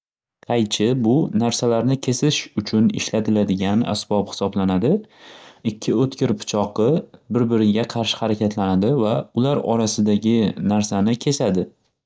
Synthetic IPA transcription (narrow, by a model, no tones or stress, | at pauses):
qʰɑjt͡ʃʰɪbʊnaɾsalaɾnɪkʲʰe̞sɪʃʊt͡ʃʰʊnɪ̰ʃlat̪ʰɪlad̪ɪɡʲana̰sbɒphɪ̥sɒblanad̪ɪ | ɪkʲʰːɪot̪kʲɪɾpʰʊ̥t͡ʃʰɒqɨbɪɾbɪɾɪɡʲaqʰɑɾʃɪ̥haɾakʲʰat̪ʰlanad̪ɪvaʊlaɾɒ̰ɾasɪd̪aɡʲɪnaɾsanɪkʲʰe̞sad̪ɪ